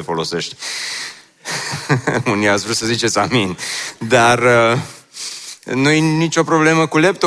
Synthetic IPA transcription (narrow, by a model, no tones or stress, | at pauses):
fo̞lo̞se̞ʃt̪ʲ | uniasvɾewsəzit͡ʃe̞t̪sʲamind̪arə | nujenit͡ʃʲo̞pɾo̞ble̞məkule̞p̚t̪o